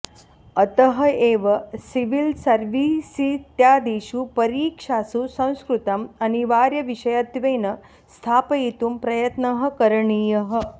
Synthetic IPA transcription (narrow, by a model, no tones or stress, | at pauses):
ɐt̪ɐɦɐeːʋɐsiʋilsɐɾʋisit̪jaːd̪iːʃupɐɾiːkʂaːsusɐ̃w̃skɾut̪ɐmɐniʋaːɾjɐʋiʃɐjat̪ʋeːnɐ | st̪ʰaːpɐit̪umpɾɐjɐt̪nɐɦɐ̆kɐɾɐɳijɐɦə̆